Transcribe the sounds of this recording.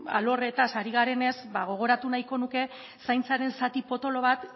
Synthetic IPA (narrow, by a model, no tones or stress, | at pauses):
a̰lo̞ret̪asaɾiɣaɾe̞ne̞sbaɣ̞o̞ɣ̞o̞ɾat̪unajko̞nuke̞ | sajnt͡saɾe̞nsat̪ipo̞t̪o̞lo̞β̞at̪